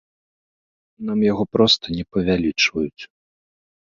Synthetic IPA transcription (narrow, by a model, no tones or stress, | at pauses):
namjaɣɔpɾɔst̪ʰɐnʲɛpɐvʲalʲit͡ʂvɐjut͡sʲ